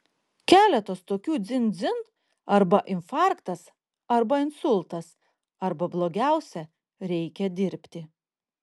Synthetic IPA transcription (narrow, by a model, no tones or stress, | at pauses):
kʲæːlʲɛt̪ost̪oːkʲuːd̪zʲɪnd̪zʲɪn | ɐɾbɐʔɪnfɑˑɾkt̪ɐs | ɐɾbɐɪnsʊlˠˑt̪ɐs | ɐɾbɐblˠoːɡʲæˑʊsʲɛ | ɾʲɛɪkʲɛd̪ʲɪɾʲpʲt̪ʲɪ